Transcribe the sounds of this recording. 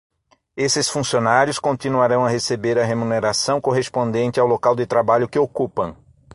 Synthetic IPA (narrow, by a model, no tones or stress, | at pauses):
esɪsfũsionaɾjʊskõnt̪inuaɾɐ̃w̃ɐɦesebeɾɐɦemũneɾasɐ̃w̃koɦespõnd̪ẽnt͡ʃ̪ɪawlokawd̪ɪt̪ɾabaʎʊkɪokupɐ̃w̃